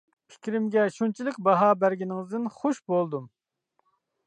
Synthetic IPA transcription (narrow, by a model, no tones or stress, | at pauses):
pʰi̥kʲɾɪmɡʲɛʃunt͡ʃʰilˠɨk̚ʲbɑɦɑːbæɾɡʲinɪŋɨzd̪ɨnχoʃbolˠd̪um